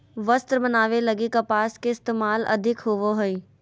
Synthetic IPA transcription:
ʋɐst̪ɾbɐnaːʋelɐɡikɐpaːskeɪst̪eːmaːlɐ̰d̪ʱɪkɦoʋoɦoiː

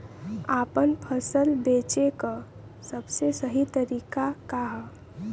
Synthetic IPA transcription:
aːpənpʰəsəlbeːt͡ʃeka | səbsesəɦit̪əɾiːkakaɦɛ

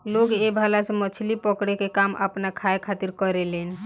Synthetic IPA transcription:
loɡebʱalasẽmət͡ʃʰlipəkɽekekamʔə̰pnakʰaekʰat̪iɾkəɾeleni

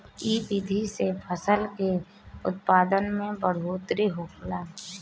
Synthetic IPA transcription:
iːbid̪ʱisepʰəsəlke | ʊ̰t̪̚paːd̪ənmẽbəɽ̤oːt̪ɾiɦoːkʰlaː

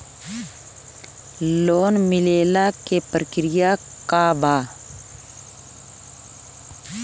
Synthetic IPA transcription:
loːnmɪleːlakepɾəkɾija | kabaː

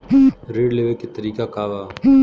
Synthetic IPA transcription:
ɾeːɖleːʋeket̪ɐɾiːkakaːʋaː

